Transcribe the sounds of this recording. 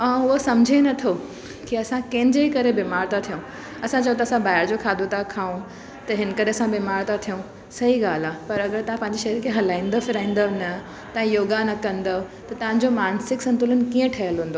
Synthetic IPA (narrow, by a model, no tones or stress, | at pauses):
ãːʊɦosɐ̃md͡ʑʱenɐt̪ʰo | kiɐsãkɐ̃ɦɪ̃ɲd͡ʑeikɐɾebemaːɾt̪at̪ʰijũ | ɐsãt͡ɕəjũt̪ɐsãbaːɦɪɾd͡ʑokʰaːd̪ot̪akʰaːũ | t̪ɐɦɪnkɐɾeɐsãbeːmaːɾt̪at̪ʰijũ | sɐɦiɡaːl̤aːpɐɾɐɡəɾt̪ɐɦãpɐ̃ɦɪ̃ɲd͡ʑiʃɐɦiɾkʰeɦɐlãːĩːn̆d̪əfɪɾãːĩːn̆d̪əʋnɐ | t̪ɐ̃ɦĩjoːɡanɐkɐ̃nd̪əʋ | t̪ɐt̪ɐʋãɲ̆d͡ʑomaːnsɪksɐ̃nt̪ʊlʊnɪ̆kiːə̃ʈʰɐjəlɦũːn̆d̪oː